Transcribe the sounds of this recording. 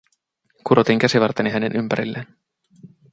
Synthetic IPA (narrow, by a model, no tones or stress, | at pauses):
kuɾot̪iŋk̟æsiʋɑrt̪eniɦæne̞nʔympæɾḭlːen